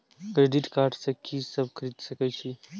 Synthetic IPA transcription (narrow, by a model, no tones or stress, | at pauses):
kɾeɖiʈkaːɾʈsɐkʰisɐb̚kʰɾid̪sɐkəjt͡ʃʰi